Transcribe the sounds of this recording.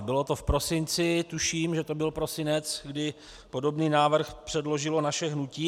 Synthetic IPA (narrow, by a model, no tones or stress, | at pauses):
bɪlo̞t̪o̞fpɾo̞sɪnt͡sɪt̪uʃiːmʒɛt̪o̞bɪlpɾo̞sɪnɛt͡sɡdɪ | po̞do̞bniːnaːvr̩xpr̝̥ɛdlo̞ʒɪlo̞naʃɛɦnuciː